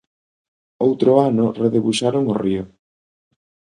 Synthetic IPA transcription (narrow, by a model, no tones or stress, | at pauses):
owt̪ɾoanʊreðeβuʃaɾoŋorio